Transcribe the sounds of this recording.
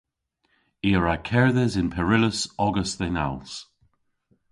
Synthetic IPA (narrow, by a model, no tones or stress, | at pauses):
iːəɹakʰɛɹðɛzɪnpʰɛɹɪləsɔɡəstɛna̰lˠs